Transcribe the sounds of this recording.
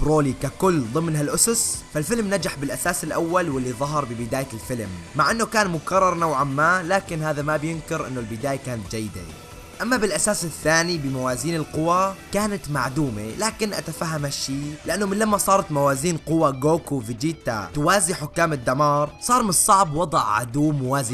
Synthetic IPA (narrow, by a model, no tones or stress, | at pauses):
bɾoːlikakʊlːd̪ˤɨmnɦalʔʊsʊsfalfɪlmnad͡ʒaħbɪlʔasaːsɪlʔawːalwɪlːiðˤɑɦɑɾˤbɪbɪd̪aːjalfɪlmːaʕʔɪnːʊkaːnmʊkɑrˤːɑɾˤnawʕamːaːlaːkɪnɦaːðamabjʊnkɪɾʔɪnːʊlbɪd̪aːjakaːnat̪̚d͡ʒajːɪd̪ḛ | ʔamːabɪlʔasaːsɪθːaːnibɪmawaːziːnɪlqʊwakaːnat̪maʕd̪uːmḛlaːkɪnʔa̰t̪afaɦːamhaʃːiːlɪʔanːʊmɪnlamːasˤɑːɾˤɑt̪mawaːziːnqʊwaɡoːkovɪd͡ʒiːt̪a̰t̪ʊwaːzɪħʊkːaːmɪd̪ːamɑːɾˤsˤɑːɾˤmɪnsˤɑʕbwɑd̪ˤʕʕa̰d̪uːmwaːz